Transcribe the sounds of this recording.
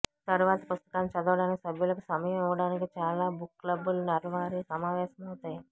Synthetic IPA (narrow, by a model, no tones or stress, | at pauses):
t̪ɐɾuʋaːt̪ɐpust̪ɐ̥kaːnit͡ʃɐd̪uʋɐɽaːnikisɐbʱjulɐkusɐmɐjɐmiʋɐɽaːnik̬it͡ʃaːlaːbukːlɐbulnɐɾɐʋaːɾisɐmaːʋɛːʃɐmɐwut̪aːji